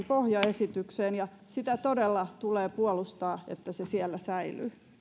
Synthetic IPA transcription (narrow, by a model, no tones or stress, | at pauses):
mpohjɑesit̪ykseːnjɑ | sit̪æt̪odelːɑt̪uleːpuolust̪ɑːḛt̪ːæsesiɛlːæsæily̰ː